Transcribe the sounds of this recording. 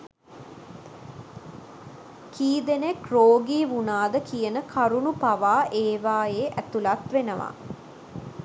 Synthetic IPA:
kʰiːd̪enekroːɡiːʋunaːd̪əkijənəkʰaɾunupaʋaːʔeːʋaːjeːʔæt̪ulat̪ʋenəʋa̰

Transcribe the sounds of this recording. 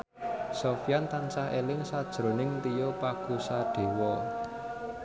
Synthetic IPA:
sofijant̪ansahelɪŋsad̥ʒ̥ɾo̤nɪŋt̪ijopaɡ̥usaɖ̥e̤wɔ

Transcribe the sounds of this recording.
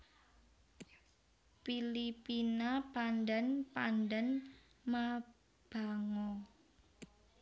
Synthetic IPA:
filipinapandɛnpandɛn | ma | b̥a̤ŋɔ

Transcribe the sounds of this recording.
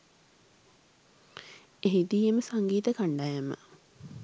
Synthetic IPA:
eɦid̪iːjeməsaŋɡiːt̪əkaɳɖajəmə̰

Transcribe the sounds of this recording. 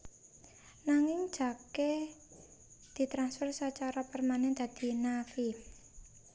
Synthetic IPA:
naŋɪŋd̥ʒ̥a̤ke | d̪̥i̤t̪ɾansfərsət͡ʃaɾɔpərmanɛnd̪̥a̤d̪̥i̤nafi

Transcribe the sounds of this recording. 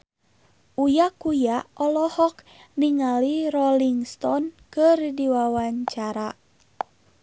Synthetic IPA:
ʔujakujaɔlɔhɔk | niŋaliɾɔliŋst̪ɔnkɨrdiwawaɲt͡ʃaɾa

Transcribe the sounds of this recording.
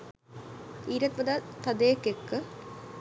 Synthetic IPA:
iːɾɐt̪pɐd̪at̪ɐd̪eːkːekːɨ

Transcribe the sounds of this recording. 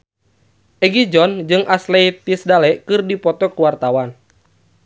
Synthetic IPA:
ʔɛɡid͡ʒɔnd͡ʒɨŋʔaslɛjpisdalɛʔkɨrdipɔt̪ɔkuwart̪awan

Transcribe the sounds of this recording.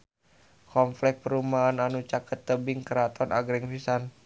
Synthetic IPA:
kɔmflɛk̚pəɾumaːnanut͡ʃakʰət̪ːəbɪŋkəɾat̪ʰɔnʔa̰ɡɾɛŋfisan

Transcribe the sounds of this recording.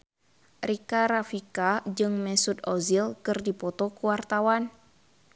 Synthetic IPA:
rikaɾafikad͡ʒɨŋmɛsut̪ɔzilkɨrdipɔt̪ɔkuwart̪awan

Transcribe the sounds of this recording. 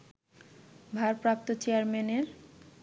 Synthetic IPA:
bʱaɾpɾap̚t̪ot͡ɕejaɾmeneɾ

